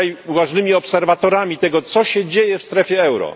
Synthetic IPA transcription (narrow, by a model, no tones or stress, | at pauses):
ajuvaʐnɘmʲiɔpsɛɾvat̪ɔɾamʲit̪ɛɡɔt̪sɔɕɛd͡ʑejɛfst̪ɾɛfʲjɛɛwɾɔ̰